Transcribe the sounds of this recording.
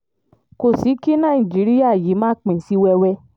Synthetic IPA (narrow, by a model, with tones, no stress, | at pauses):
ko˨si˨˦ki˦nã˦˨ĩ˨d͡ʒi˨˦ɾi˦ja˦˨ji˨˦mãː˦k͡pĩ˨si˨˦wɛ˧wɛ˧˦